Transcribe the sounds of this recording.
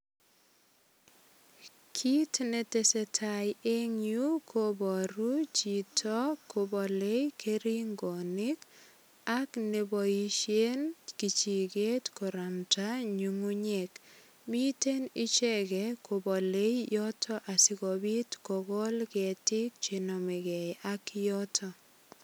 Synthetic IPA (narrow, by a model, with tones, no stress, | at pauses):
kʰi˦tne˨te˨se˨tʰa˨je˦ŋju˦kʰo˦bɔ˨ɾu˦t͡ʃi˨tʰɔ˦ko˨bɔ˨le˦jkʰeɾi˦ŋɡɔ˨nɪ˦k | a˦kne˨bɔ˨iʃje˦nki˨t͡ʃi˨ɡe˦tkɔ˨ɾa˨mta˦ɲu˨ŋu˦ɲe˨k | mi˦te˦nɪ˦t͡ʃɛ˦ɡɛ˨ko˨bɔ˨le˦jjɔ˦tʰɔ˦ʔa˨sɪ˦kɔ˨bi˦tkɔ˨ɡɔ˦lkɛ˨tɪ˦k̚t͡ʃe˨nɔ˨me˨ɡɛ˨jakjɔ˦tʰɔ˨